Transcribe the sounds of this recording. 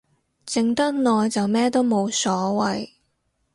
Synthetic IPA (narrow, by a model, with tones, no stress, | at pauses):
t͡sɪ˨ŋt̪ɐ˥k̚nɔː˨˧jt͡sɐ˨wmɛː˥t̪o˥wmo˨˧wsɔː˨˥wɐ˨j